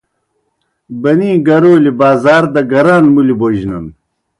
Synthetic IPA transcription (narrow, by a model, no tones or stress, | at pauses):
bɐnĩːɡɐɾoːlibaːzaːɾd̪ɐɡɐɾaːnmuliboʑnɐn